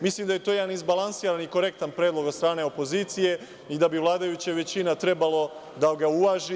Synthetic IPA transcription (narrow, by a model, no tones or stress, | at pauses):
mislimd̪aje̞t̪ojed̪anizbalˠansiːɾaniko̞ɾe̞k̚t̪anpɾe̞ːd̪lo̞ɡot̪st̪ɾaːne̞o̞po̞ziːt̪sije̞ | id̪abiʋlˠaːd̪ajut͡ɕaʋe̞t͡ɕinat̪ɾe̞balo̞ | d̪aɡauʋaːʒi